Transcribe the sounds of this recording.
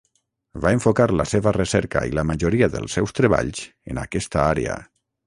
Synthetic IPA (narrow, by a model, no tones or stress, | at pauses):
vaeɱfokaɾləseβəresɛɾka̰ḭləmaʒoɾiaðə̰lˠsɛwst̪ɾeβa̰ʎz̥ | ena̰kɛst̪aaɾḛə̰